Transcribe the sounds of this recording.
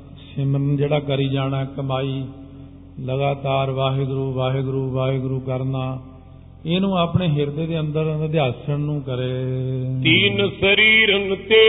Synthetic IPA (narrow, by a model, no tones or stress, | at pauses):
ʃɪməɾnd͡ʒeːɽaːkəɾiːd͡ʒaːnaːkəmaːiː | ləɡaːt̪aːɾʋaːɦɡɾuːʋaːɦəɡɾuːʋaːɦeɡɾuːkəɾnaː | eːnũːaːpɳeːɦɪɾd̪eːd̪eːənd̪əɾd̪easəɳnũːkəɾeːt̪iːnsəɾiːɾənt̪eː